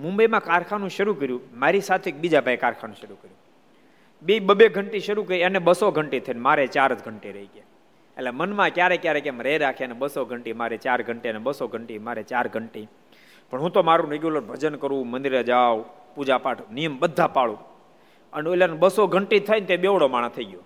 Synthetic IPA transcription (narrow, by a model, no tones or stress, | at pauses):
mũmbəjmãkaɾkʰanũʃəɾukəɾjũmaɾisat̪ʰeek̚bid͡ʒapaikaɾkʰanũʃəɾukəɾjũ | ɓiɓəbeɡʱəɳʈiʃəɾukəɾiəneɓəsoɡʱəɳʈit̪ʰəinmaɾet͡ʃaɾd͡ʒɡʱəɳʈiɾəike | ḛllɛemənmãkjaɾekjaɾekemɾəɦɛɾakʰeneɓəsoɡʱəɳʈimaɾet͡ʃaɾɡʱəɳʈiənɛɓəsoɡʱəɳʈimaɾet͡ʃaɾɡʱəɳʈi | pəɳɦũt̪omaɾũɾeɡjuləɾbʱəd͡ʒənkəɾũmənd̪iɾed͡ʒaʋu | pud͡ʒapaʈʰnijəmɓəd̪ʱːapaɭũ | ənolanbəsoɡʱəɳʈit̪ʰəint̪eɓeʋɽomaɽ̃at̪ʰəiɡjo